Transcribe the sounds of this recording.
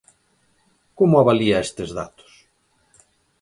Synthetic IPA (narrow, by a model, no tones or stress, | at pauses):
komoaβaliaest̪ezða̰t̪o̥s